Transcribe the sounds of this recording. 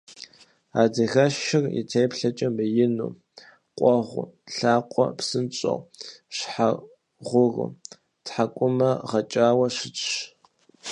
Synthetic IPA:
aːdɐɣɐʃɪrḭtʰejpɬɐt͡ʃʼɐmbɨjɪnṵː | qʷʼɔʁʷʊ̰ɬaːqʷʼɔ̰psɨnt͡ʃʼɐ̰wɕħa | ʁʷʊrʊ̰ | tħakʷʼʊmɐʁɐt͡ʃʼaːwɐɕɪt͡ʃʼɕ

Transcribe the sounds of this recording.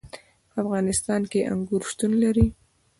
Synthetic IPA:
pəafɣɑnɪst̪ɑnkeʔa̰ŋɡuɾʃt̪unlaɾi

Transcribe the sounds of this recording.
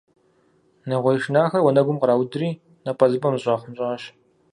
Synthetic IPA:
nɐʁʷɔjʂnaːxɐrwɔnɐɡʷʊmqɾaːwdɨriː | nɐpʼɐzɨbɐmɨɕʼɑːχʷʊmɕʼaɐɕ

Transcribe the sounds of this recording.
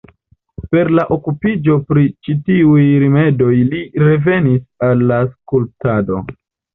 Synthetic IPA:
pe̞ɾlaʔo̞kupid͡ʒo̞pɾit͡ʃitiujɾime̞do̞jliɾe̞ve̞nisalːaskultado̞̰

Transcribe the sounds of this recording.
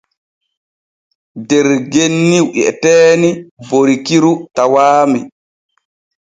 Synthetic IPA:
dɛɾɡenːiwʔiɛ̰tɛːniboɾikiɾutawaːmɛ

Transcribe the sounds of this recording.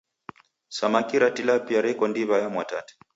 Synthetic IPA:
samakiɾatilapiaɾɛkɔndiβajamwatatɛ̥

